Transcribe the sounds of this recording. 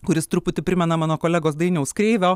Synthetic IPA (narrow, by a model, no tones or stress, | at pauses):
kʊɾʲɪst̪ɾʊpʊt̪ʲɪpʲɾʲɪmʲɛnɐmɑːnoːkoːlʲæːɡoːs̬d̪ɐɪnʲɛʊskɾʲɛɪʋʲoː